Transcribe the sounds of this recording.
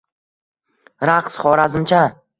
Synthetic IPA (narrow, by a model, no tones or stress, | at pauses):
ɾaqsχɒɾazɪmt͡ʃʰa